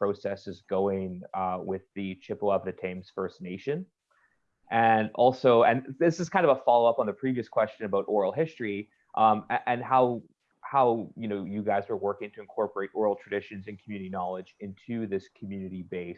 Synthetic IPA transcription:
pʰɹ̥oʊsɛsɨzɡoʊɪ̃ŋwɪðɨt͡ʃʰɪpl̩ˠʌvðɨtʰẽɪ̃mz̥fɜ˞sⁿneɪʃɨ̃n | ʔɨ̃nɔlˠsoʊɨ̃nðɪsɨz̥kʰãɪ̃ndʌvəfɑlˠoʊʌpn̩ðɨpʰɹ̥iviɨskʰw̥ɛst͡ʃɨ̃nɨbaʊɾʔɔɹl̩ˠɦɪstɹ̥i | ʔʌ̃mɨʔɨ̃nɦaʊ | haʊjɨnoʊjɨɡaɪzwə˞wɜ˞kɪ̃ŋtʰɨɨ̃nkʰɔɹpə˞eɪɾʔɔɹl̩ˠtʰɹ̥ɨdɪʃɨ̃nzɨ̃nkʰm̩jʉnɨɾinɑlˠəd͡ʒɪ̃ntʰʉðɪskʰmjʉnɨɾibeɪs

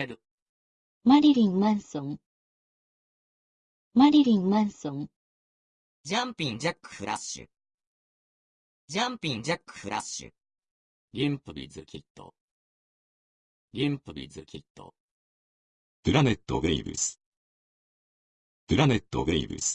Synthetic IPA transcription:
eɾɯ | maɾʲiɾʲĩnmãñsõŋ | maɾʲiɾʲĩnmãñsõŋ | d͡ʑãmpʲĩnd͡ʑakːɯ̥hɯɾʔaɕɨ̰ | d͡ʑãmpʲĩnd͡ʑakːɯ̥hɯɾʔasɕɨ̰ | ɡʲĩmpɯbʲḭzɨkʲʰit̪ːo̰ | ɡʲĩmpɯbʲḭzɨkʲʰit̪ːo̰ | d̪̥ɯɾanet̪ːo̰ɡeibḭsɨ̥ | d̪̥ɯɾanet̪ːo̰ɡeḭbʲḭsɨ̥

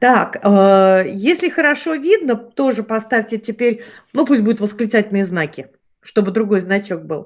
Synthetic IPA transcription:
t̪akajesʲlʲɪxəɾɐʂo̞vʲid̪nət̪o̞ʐɨpɐst̪afʲtʲɪtʲɪpʲeɾʲ | nupusʲt̚ʲbud̪ʊt̪vəsklʲɪt̪satʲlʲnɨjəznakʲɪ | ʂt̪o̞bɨd̪ɾʊɡo̞jznɐt͡ɕo̞k̚bɨ̰lˠ

